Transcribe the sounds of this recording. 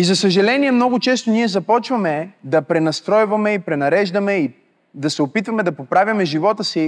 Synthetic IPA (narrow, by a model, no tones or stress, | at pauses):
izɐsɐʒɐlɛniɛmnɔɡʊt͡ʃɛst̪oniɛzɐpɔt͡ʃvɐmɛd̪ɐpɾɛnɐst̪ɾɔjvɐmɛipɾɛnɐɾɛʒd̪ɐmɛi | d̪ɐsɛopit̪vɐmɛd̪ɐpopɾavʲjɐmɛʒivɔt̪əsi